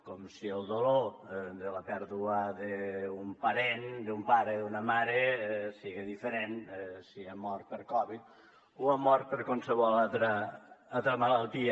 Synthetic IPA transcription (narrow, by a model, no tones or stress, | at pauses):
kɔmsiəlˠd̪olod̪ələpɛɾðuəðeumpɐɾend̪umpaɾeðunəmaɾesiɣeðifəɾensiamɔɾt̪̚pəɾkɔβit̪̚ | uamɔɾt̪̚pəɾkwansəβɔlat̪ɾəalˠt̪ɾəmalalˠt̪iə